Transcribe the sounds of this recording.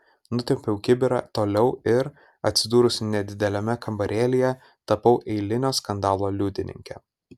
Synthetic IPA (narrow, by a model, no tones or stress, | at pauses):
nʊt̪ʲɛmʲpʲɛʊkʲɪbʲɪɾɑ̰t̪oːlʲɛʊɪɾ | ɐ̰t̪ʲsʲɪd̪uːɾʊsʲnʲɛd̪ʲɪd̪ʲɛlʲɛmʲɛkɐmbɐɾʲeːlʲɪjɛ | t̪ɐpɐʊʔɛɪlʲɪnʲoːskɐnd̪ɑːlˠoːlʲuːd̪ʲɪnʲɪ̰ŋʲkʲɛ̰